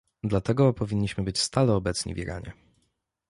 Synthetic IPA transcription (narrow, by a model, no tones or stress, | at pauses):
d̪lat̪ɛɡɔpɔvʲiɲːiɕmɘbɘt͡ɕst̪alɛɔbɛt̪sɲḭvʲḭɾʔa̰ɲɛ̰